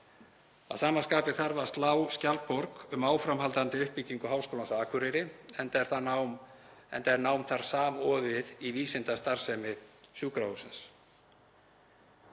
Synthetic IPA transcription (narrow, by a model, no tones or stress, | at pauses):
a̰ðsaːmanskaːpɪθaɾvaɾ̥st̪laːwscalpɔɾkʏmaːwfɾamɦalt̪ant̪ɪʏhpicːiŋkʏɦaːwskowlansaːkʰʏɾɪɾɪɛnt̪aɛɾ̥θanaw | ɛ̰nt̪aɛɾnaːwmθaɾ̥saːmɔːvɪðiviːsɪnt̪ast̪aɾ̥sɛmɪsjuːkɾausɛns